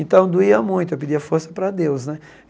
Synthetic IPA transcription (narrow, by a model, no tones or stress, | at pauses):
ẽnt̪ɐ̃w̃d̪uiɐmũj̃t̪ʊewpɪd͡ʒiɐfoɾsɐ̥pɾɐd̪ewsnɛ